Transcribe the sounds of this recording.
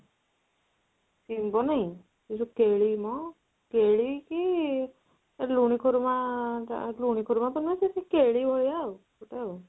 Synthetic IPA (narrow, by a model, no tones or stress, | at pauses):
simbɔnaj̃ | tisukeɭimɔ | keɭiki | eluɽ̃ikʰɔɾuma̰ | luɽ̃ikʰɔɾumat̪ɔnasisikeɭibʱɔjawkuʈew